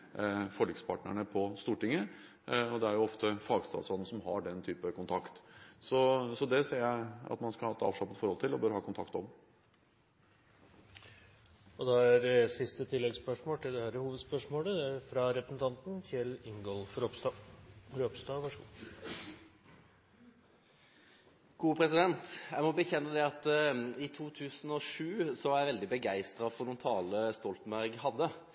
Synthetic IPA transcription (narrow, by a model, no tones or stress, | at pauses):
fɔɭiːkspʰɑ̰ːʈɳəɳəpʰɔst̪uːʈɪŋːə | ɔd̪ɛæɾjʊɔft̪əfɑːɡst̪ɑ̰sɔd̪n̩sɔmɦɑ̰ɖɛnt̪ʰyːpəkʊnt̪ʰɑkt̪sɔsɔd̪ɛseːɾjæɪɑ̰t̪mɑnskɑhɑːɛt̪ɑ̰ːʋʂlɑpːət̪fɔɾhɔlt̪ʰɪlɔbøːɾəhɑːkʊnt̪ɑkt̪ɔm | ɔd̪ɑæɾsɪst̪ət̪ʰɪlːɛɡspœʂmoːt̪ʰɪld̪ɛhæːɾəhuːʋəd̪spœʂmoːləfɾɑɾɛpɾəsn̩t̪ʰɑnt̪n̩t̪ɪlɪŋɡɔlfɾ | ɾøpst̪ɑːʋɑʂɡ | ɡ̥uːpʰɾɛsɪd̪ɛnt̪jæɪmɔbəçɛnːəd̪ɛɑt̪it̪ʰuːt̪ʰʉːsn̩ɔʂʉːsɔʋɑɾjæɪʋɛld̪ɪbəɡæɪst̪ɾɑfɔʁnuːnt̪ʰɑːləst̪ɔlt̪mbæɾɡhɑd̪ːə